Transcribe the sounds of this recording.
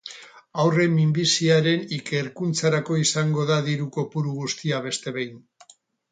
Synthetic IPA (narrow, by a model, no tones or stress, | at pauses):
awre̞mimbisiaɾe̞nike̞ɾkunt͡saɾako̞isaŋɡo̞ðaðiɾuko̞puɾuɣ̞ust̪iaβ̞e̞st̪e̞βejn